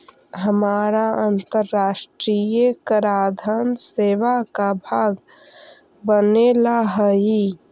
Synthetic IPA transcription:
ɦəmaːɾaʔənt̪əɾːaːʃʈɾijəkəɾaːd̪ʱənseːʋakabʱaːɡ | bənelaɦəi

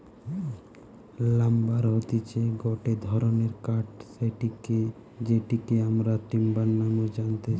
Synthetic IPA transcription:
lambaɾɦot̪it͡ɕʰeɡɔʈed̪ʱɔɾoneɾkaʈseʈike | d͡ʑeʈikeamɾat̪imbanːamod͡ʒant̪e

